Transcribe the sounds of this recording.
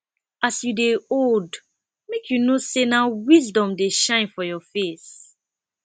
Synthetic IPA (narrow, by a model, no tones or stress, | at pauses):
asjudeold | mekʰjunosenawizdɔ̃mdeʃãɪ̃nfɔjɔfes